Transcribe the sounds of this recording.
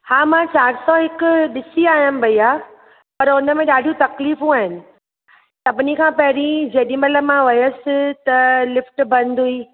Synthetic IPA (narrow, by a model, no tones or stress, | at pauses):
hãːmãt͡ɕaːɾsɔːɦɪkʊ̆ɗɪsiaːɦijəmbɐiaː | pɐɾʊnəmẽɗaːɖʱijũt̪ɐkliːfũaːɦɪnɪ̆ | t̪ɐpɪnikʰãːpɐɦɪɾĩd͡ʑɐɗĩmɐləbmãʋɐjəsɪt̪ɐlɪfʈbɐ̃nd̪ʱuiː